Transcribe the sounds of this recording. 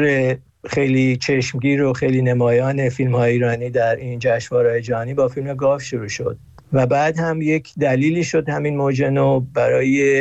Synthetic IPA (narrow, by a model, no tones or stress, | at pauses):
ɾe | xe̞jliːt͡ʃʰeʃmɟiːɾoxe̞jliːnemɒːjɒːne̞filmhɒːjeiːɾɒːniːd̪æɾind͡ʒæʃvɒːɾɒːjed͡ʒæɦɒːniːbɒːfilmeɡɒːfʃoɾuːʃo̞̰d̪̥̚ | væbæːd̪hæmje̞cʰd̪æliːliːʃo̞d̪hæminmoːd͡ʒenobæɾɒːje